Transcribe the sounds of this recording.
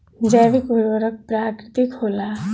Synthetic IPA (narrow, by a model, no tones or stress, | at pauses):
d͡ʒəjʋɪkʊɾʋəɾək̚pɾaːkɾɪt̪ikʰoːlaː